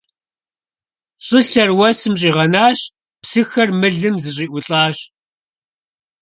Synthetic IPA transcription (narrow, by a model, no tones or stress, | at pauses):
ɕʼɨɬɐrwɐsɨmɕʼiːʁɐnaːɕ | psɨxɐrmɨɮɨmzɨɕ̬ʼiːʔʷʊɬʼaːɕ